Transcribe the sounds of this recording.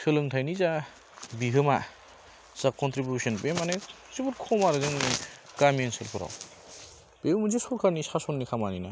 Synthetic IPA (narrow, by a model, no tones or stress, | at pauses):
tʰɯlɯŋtʰajniza | biɦɯma | sakkɔntɾibjusɔnbemane | sibutkʰɔmaɾɯzɯŋnikamiensɯlpʰɯɾa̰w | b̥eumuzisɔɾkʰanisasɔnːikʰamanina̰